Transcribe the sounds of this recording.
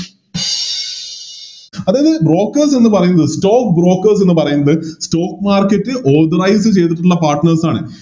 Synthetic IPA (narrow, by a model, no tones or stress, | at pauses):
ɐðaːjɐðɨbro̞ːkːɐrs̬e̞nːɨpɐrɐjunːɐðɨsto̞ːkbro̞ːkːɐrs̬e̞nːɨpɐrɐjunːɐðɨsto̞ːkːmaːrkːɐtːɨʔoːrd̪ɐɾɐjsɨt͡ɕe̞jt̪iʈ̬ːunːɐpaːrʈnɐrsaːɳɨ̰